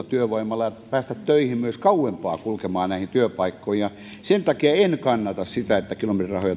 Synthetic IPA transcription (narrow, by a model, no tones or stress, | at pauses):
t̪yøʋoimɑlːɑjɑpæːst̪æt̪tøihimmyøskɑuwempɑ̰ːkulkemɑːnnæˑihint̪yøpɑikːoijjɑ | sent̪ɑkiɑenkɑnːɑt̪ɑssit̪æet̪ːækilomet̪irɑ̰hojɑ